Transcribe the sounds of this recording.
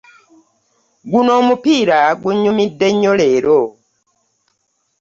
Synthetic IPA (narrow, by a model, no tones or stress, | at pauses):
ɡuno̞ːmupiːɾaɡuɲumidːe̞ɲːo̞le̞ːɾo̞